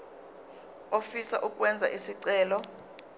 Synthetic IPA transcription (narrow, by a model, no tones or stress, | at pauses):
ofisaʔukʼwɛnd͡zʱa̰ʔisiǀɛːlɔ